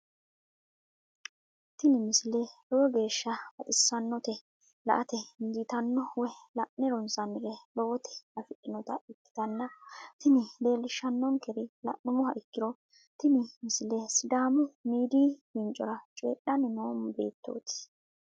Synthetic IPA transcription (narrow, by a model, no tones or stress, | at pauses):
t̪ɪnɪmɪsɪlɛlɔwɔɡe̞ːʃːɐbɐt̪ʼɪsːɐnːɔt̪ɛ | lɐ̰ʔɐt̪ɛnd̪ɪt̪ɐnːɔwɛlɐʔnɛɾɔnsɐnɪɾɛlɔwɔt̪ʰɛ̥ɐfɪʔɪnɔt̪ɐɪkːɪ̥t̪ɐnːɐt̪ɪnɪde̞ːlːɪʃːɐnːɔŋkɛɾɪlɐ̰ʔːʊmʊɦɐʔɪkːɪɾɔ | t̪ɪnɪmɪsɪlɛsɪd̪aːmʊmiːd̪iːhɪnt͡ʃʼːɔ̰ɾɐt͡ʃʼeːɗːɐnɪnoːmbḛːt̪ːo̰ːt̪ɪ̥